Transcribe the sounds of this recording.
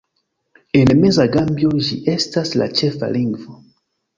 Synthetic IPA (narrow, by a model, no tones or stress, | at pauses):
e̞nme̞zaɡambjoʒiʔe̞stasla̰t͡ʃe̞fa̰liŋɡvo